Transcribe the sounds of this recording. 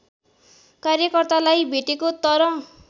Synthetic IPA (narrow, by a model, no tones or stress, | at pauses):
karjʌkʌrt̪alajbʱeʈekot̪ʌɾʌ